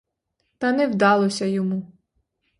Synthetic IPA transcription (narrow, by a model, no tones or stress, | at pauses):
t̪ɐnɛwd̪ɑlˠɔsʲɐjɔmu